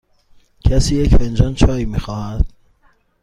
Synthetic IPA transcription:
cʰæsiːjecfend͡ʒɒːnt͡ʃʰɒːiːmiːxɒːhæd̪̥̚

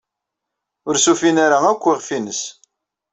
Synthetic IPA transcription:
ʊɾsufinaɾaækʷːiʁfinəs

